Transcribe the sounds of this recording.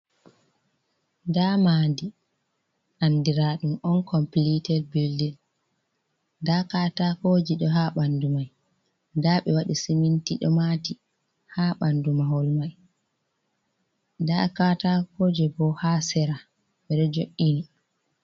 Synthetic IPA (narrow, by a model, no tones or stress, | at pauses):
damadi | ʔandiɾaɗumɔnkɔmplitɛlbildɛl | dakaːtahoːd͡ʒiɗɔɦaɓandumaj | daɓɛwaɗisimintiɗɔ̰mati | haɓandumahɔlmaj | dakaːtakoːd͡ʒɛbɔhaːsɛɾa | ɓɛɗɔd͡ʒoʔːini